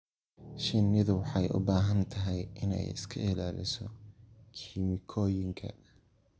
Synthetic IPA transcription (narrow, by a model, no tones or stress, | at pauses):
ʃɪnːɪðʊwɑħɑjʔʊ̰baːɦɐnt̪ʰɐɦɛjʔɪnɛ̰jɪ̰skʰɐɪlaːlɪ̰sɔkʰimɪkʰɔːjɪŋkʰɐ̰